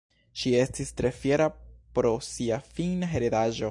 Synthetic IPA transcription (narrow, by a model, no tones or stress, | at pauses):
ʃiestistɾe̞fje̞ɾapɾosiafinaɦeɾedaʒo